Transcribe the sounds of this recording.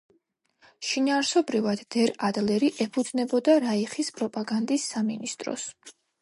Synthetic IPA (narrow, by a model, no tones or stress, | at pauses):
ʃinaːɾsɔbɾivad̪̥ːɛɾad̪lɛɾiʔɛpʰud̪znɛbɔd̪aɾaiχispʼɾɔpʼaɡand̪isːaminist̪ʼɾɔ̰s